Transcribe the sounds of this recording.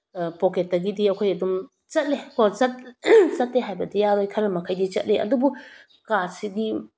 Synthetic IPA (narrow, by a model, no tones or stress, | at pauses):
poket̚dɐɡidiɐkʰojɐdum | t͡ʃɐt̚lekʰot͡ʃɐt̚t͡ʃɐtleɦajbɐdijaɾojkʰɐɾɐmɐkʰɐjdit͡ʃɐ̰t̚leʔɐ̰dubu | kasiɡi